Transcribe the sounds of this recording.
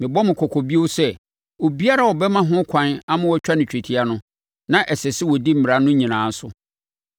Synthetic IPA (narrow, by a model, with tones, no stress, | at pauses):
mɪ̃˨bɔ˦mɪ̃˨kʰɔ˨kʰɔ˨bi˦o˦sɛ˦ | o˨bi˦a˦ɾa˦˨wɔ˨bɛ˦mã˦ɦʊ̃˦kʰã˨na˦mã˦wɔ˦t͡ɕᶣa˦nɪ̃˨t͡ɕᶣe˨tʰi˨a˦nʊ̃˦ | nã˦ʔɛ˨sɛ˨sɪ˦wɔ˨di˦m̩˨mɪ˨ɾa˨nʊ̃˦ɲĩ˨nãː˨˦n̩˦sʊ˦